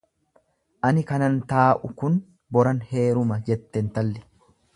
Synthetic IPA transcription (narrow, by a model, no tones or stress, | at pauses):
ʔɐnɪkɐnɐnt̪aːʔʊkʊn | bɔɾɐnhe̞ːɾʊmɐd͡ʒɛt̪ːɛnt̪ɐlːɪ̥